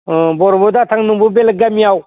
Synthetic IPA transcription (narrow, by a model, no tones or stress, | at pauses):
bɔɾɔbɔd̪at̪ʰaŋnɯŋbɯbelɡamiaw